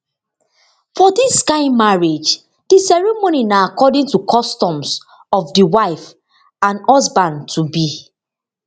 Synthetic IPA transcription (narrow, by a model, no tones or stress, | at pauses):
fɔdisːkaɪmaɹed͡ʒ | disɛɹimoninaakɔdĩŋtukʰɔstɔ̃ms | ɔfdiwaɪf | ãnɔsbãntʰubi